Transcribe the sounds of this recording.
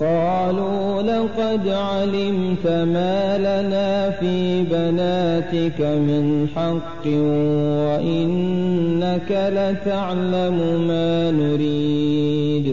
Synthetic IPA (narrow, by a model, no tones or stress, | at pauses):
qɑː | luːlɑqɑd̪ʕalɪmt̪amaːlanaːfiːbanaːt̪ɪkamɪnħɑqːɪwaʔɪnːakalat̪aʕlamʊmaːnʊɾiː | d̪